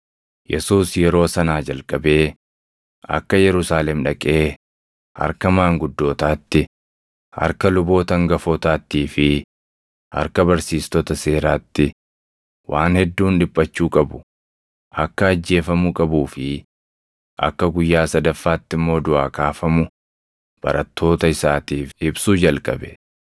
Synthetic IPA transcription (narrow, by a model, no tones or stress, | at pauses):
jɛsuːsjɛɾo̞ːsɐnaːd͡ʒɐlkʼɐbe̞ː | ɐ̰kːɐjɛɾʊsaːlɛmᶑɐkʼe̞ː | hɐ̰ɾkɐmaːŋɡʊd̪ːo̞ːt̪aːt̪ːɪ | ɐ̰ɾkɐlʊbo̞ːt̪ɐŋɡɐfoːt̪aːt̪ːiːfɪ | hɐ̰ɾkɐbɐɾsiːst̪ɔt̪ɐse̞ːɾaːt̪ːɪ | wʔa̰ːnhɛd̪ːuːnᶑɪpʼːɐt͡ʃːuːkʼɐbʊ | ʔɐkːɐːd͡ʒːe̞ːfɐmʊkʼɐbuːfɪ | ʔɐ̰kːɐɡʊjːaːsɐd̪ɐfːaːt̪ːɪmːo̞ːd̪ʊʔaːkaːfɐmʊ | b̥ɐ̰ɾʔɐt̪ʰːo̞ːt̪ɐɪsaːt̪iːfɪbsuːd͡ʒɐlkʼɐ̰bɛ̥